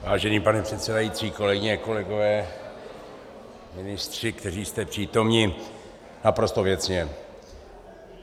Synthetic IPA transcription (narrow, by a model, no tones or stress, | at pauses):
vaːʒɛniːpanɛpr̥ɛt̪sɛdajit͡siːko̞lɛɡɪɲɛko̞lɛɡo̞vɛː | mɪnɪst̪r̝̥ɪkt̪ɛriːst̪ɛpr̥iːt̪o̞mɲɪ | napɾo̞st̪o̞vjɛt͡sɲɛ